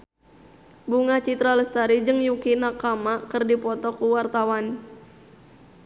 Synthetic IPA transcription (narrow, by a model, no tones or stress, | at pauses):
buŋat͡ʃit̪ɾaləst̪aɾid͡ʒɨŋjukinakamakərdipɔt̪ɔkuwart̪awan